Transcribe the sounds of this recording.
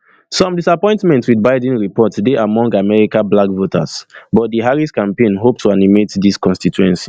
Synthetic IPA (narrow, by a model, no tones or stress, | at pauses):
sɔ̃mdisapɔ̃ɪ̃ntmɛ̃ntwidbaɪdɛ̃nɹipɔtdeʔamɔ̃ŋɡamɛɹikãblakvotʰa̰sbɔt̚diɦaɹiskãmpẽnɦop̚tʰuanimetdiskɔ̃nstituɛ̃nsi̥